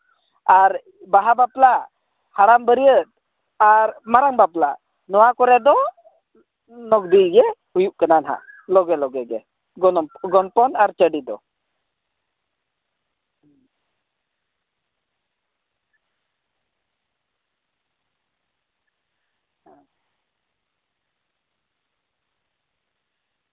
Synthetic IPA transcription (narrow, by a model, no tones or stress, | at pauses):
aɾ | baɦabapla | haɾambəɾijət̪̚ | aɾmaɾaŋbapla̰ | nɔwakɔɾɛd̪ɔ | nɔɡ̚d̪iɡɛhujuʔ̚kananɦa̰ʔlɔɡɛlɔɡɛɡɛ | ɡɔnpɔnaɾt͡ʃəɖid̪ɔ̰